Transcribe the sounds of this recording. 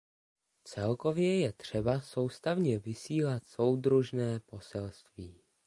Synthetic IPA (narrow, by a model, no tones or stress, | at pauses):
t͡sɛlko̞vjɛjɛt̪r̝̥ɛbaso̞wst̪avɲɛvɪsiːlat̪so̞wd̪ɾuʒnɛːpo̞sɛlst̪viː